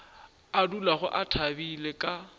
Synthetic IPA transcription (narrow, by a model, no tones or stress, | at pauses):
adulaɣʊʔatʰabilekʼa